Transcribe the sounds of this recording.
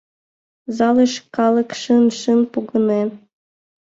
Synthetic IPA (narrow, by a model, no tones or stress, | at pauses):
zɑleʃkɑlˠə̆kʃɨnʃɨnpuɣɤ̆nen